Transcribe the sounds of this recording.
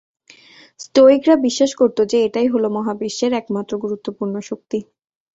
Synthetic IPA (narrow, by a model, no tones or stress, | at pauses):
sʈoikɾabiʃːaʃkoɾt̪od͡ʑeeʈajɦolomɔɦabiʃeɾɛkmat̪ːɾoɡuɾut̪ːopuɾnoʃok̚t̪i